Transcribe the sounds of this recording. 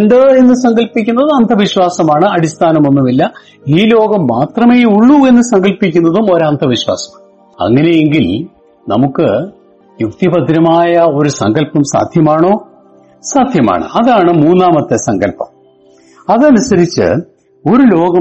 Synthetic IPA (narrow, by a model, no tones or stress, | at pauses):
nɖ̪ɨe̞nːɨsɐŋɡɐlpikʲːunːɐðɨɐnd̪ʱɐʋiɕwaːsɐmaːɳɨɐɽist̪ʰaːnɐmonːumilːɐ | iːlo̞ːɡɐmːaːt̪rɐmeːuɭːue̞nːɨsɐŋɡɐlpikʲːunːɐðumo̞ɾɐnd̪ʱɐʋiɕwa̰ːsɐ̥mɳ | ɐ̰ŋːɐne̞je̞ŋɡil | nɐ̰mukːɨ | jukt̪ibɐd̪ʱiɾɐmaːjɐo̞ɾusɐ̰ŋɡɐlpɐmsa̰ːd̪ʱjɐmaːɳo̞ː | saːd̪ʱjɐma̰ːɳɨ̰ɐðaːɳɨmuːnːaːmɐt̪ːesɐŋɡɐlpɐ̰m | ɐðɨɐnusɐɾit͡ɕːɨ̰ | o̞ɾulo̞ːɡɐ